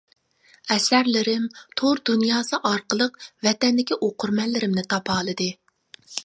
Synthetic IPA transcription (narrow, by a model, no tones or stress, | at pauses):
ɛsæɾlɪɾɪmt̪ʰoɾd̪unjɑːsɨʔɑɾqəlˠəqvɛt̪ɛnd̪ɪkʲiʔoqʰʊɾmɛnlːɪɾɪmnɪt̪ʰɑpʰɑːlˠɨd̪ɨ